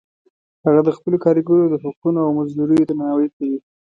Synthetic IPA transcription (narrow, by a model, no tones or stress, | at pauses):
haɣad̪əxpəlokɑɾiɡuɾod̪əɦʊk̚unoawmazd̪uɾəjod̪əmanawəjkawi